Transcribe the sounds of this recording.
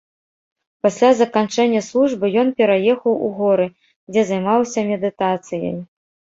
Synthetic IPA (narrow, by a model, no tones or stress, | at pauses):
pasʲlʲazɐkant͡ʂɛnʲːɐslˠuʐbɨjɔnpʲɛɾajɛxɐwuɣɔɾɨ | d͡zʲɛzajmawsʲɐmʲɛd̪ɨt̪at̪sɨjɐ̰j